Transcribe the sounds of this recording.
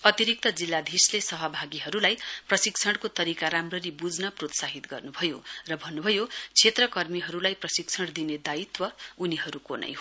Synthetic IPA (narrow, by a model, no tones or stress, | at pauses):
ʌt̪iɾik̚t̪ʌd͡zilːad̪ʱislesʌɦʌbʱaɡiɦʌɾulajprʌsikt͡sʰʌɽkot̪ʌɾikaɾamrʌɾibud͡znʌprot̪saɦit̪ɡʌrnubʱʌjo̰rʌbʱʌnːubʱʌjot͡sʰet̪rʌkʌrmiɦʌɾulajprʌsik̚t͡sʰʌɽd̪ined̪ait̪wʌuniɦʌɾukonʌ̰jɦ